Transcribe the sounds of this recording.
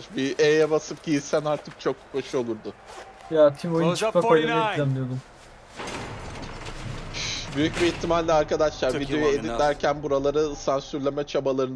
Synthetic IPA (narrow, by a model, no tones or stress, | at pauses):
biʔejɛbasɯpcijisænaɾt̪ʰɯk̚t͡ʃʰo̞kkʰːo̞ʃuo̞lˠuɾd̪ʊ | jat̪ʰimojunkaaɯɛɛmʲijod̪um | byjycbiit̪ʰːimalʲːɛaɾkad̪aʃlˠaɾvid̪eojued̪ind̪ʲæɾcʰænbuɾalˠaɾɯsansyɾlʲemɛt͡ʃʰabalˠaɾɯn